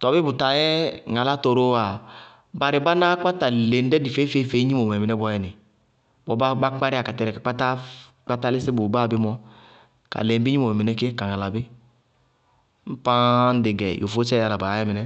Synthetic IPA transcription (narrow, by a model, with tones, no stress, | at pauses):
tɔ˨bɪ˦bu˨ta˨jɛ˦ŋa˨la˦to˨ɾo˦a˨ | ba˨ɾɪ˨ba˦na˦ka˦ta˨le˨n˦dɛ˦di˨fe˦fe˦fe˦ɲi˦mo˨m˨ɛ˨mɛ˨nɛ˦ɡʷɔ˨˦jɛ˨nɪ˨ | bɔ˨˦ba˦ba˦k͡pa˦ɾɪ˦a˨ka˨tɛ˨ɾɛ˨a˨k͡pa˦ta˦ | k͡pa˦ta˦lɪ˦si˦bo˨ba˦˨bɪ˦mɔ˦ | ka̰˨lɛ˨m˦bi˦ɲi˦mo˨mɛ˨mɛ˨nɛ˦ke˦ka˨ŋa˨la˨bɪ˦ | m̩˦pã˦n̩˦dɪ˨ɡɛ˨jʔo˨fo˦t͡ʃɛ˦a˨la˨ba˨˦ɛ˦mɛ˨nɛ˦